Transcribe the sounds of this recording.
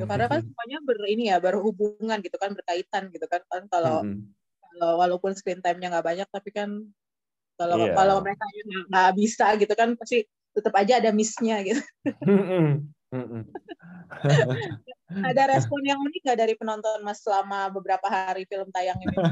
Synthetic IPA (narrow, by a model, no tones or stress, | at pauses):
t̪ukarnakansəmuaɲabərinijabəruhubuŋanɡit̪ukanbərkait̪anɡit̪ukankankalo | kalowalawpʊnsə̥kɾint̪ajmɲaŋɡaʔbaɲak̚t̪apikan | kalokaloməekaɲaŋɡaʔŋɡabisaɡit̪ukanpast̪i | t̪ət̪əpad͡ʒaːdamɪsɲaɡit̪u | adaɾaspɔnjaŋuniŋɡaʔdaɾipənɔnt̪ɔnmassəlamabəbəɾapaɦaɾifiləmt̪ajaŋini